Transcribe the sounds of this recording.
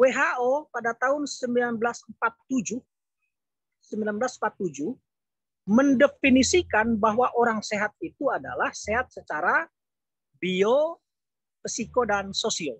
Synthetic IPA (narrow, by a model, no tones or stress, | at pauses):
weɦaʔopadat̪aɦʊnsəmbilanbəlasmpat̪ːud͡ʒʊh | səmbilanbəlasm̩pat̪ːud͡ʒʊh | məndəfinisikanbaɦwaʔoɾaŋseɦat̪̚it̪uada̰lahseɦat̪̚sət͡ʃaɾa | bio | risikodansosial